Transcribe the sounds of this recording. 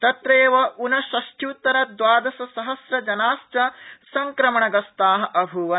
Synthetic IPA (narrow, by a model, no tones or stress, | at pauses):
t̪ɐt̪ɾeːʋɐʔunɐʃɐʃʈʰjuːt̪ːɐɾɐd̪ʋaːd̪ɐsɐsɐɦɐsɾɐd͡ʒɐnaːst͡ʃɐsɐŋkɾɐmɐɳɐɡɐst̪aːɦɐ̆ʔɐbʱuʋɐ